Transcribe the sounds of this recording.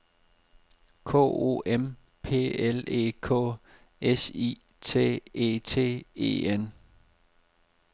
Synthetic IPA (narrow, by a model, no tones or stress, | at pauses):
kʰɔ̰ːo̝̰ːʔem | pʰe̝̰ːele̝̰ːkʰɔ̰ː | esḭː | t͡sʰe̝̰ːḛːt͡sʰe̝̰ːe̝̰ːen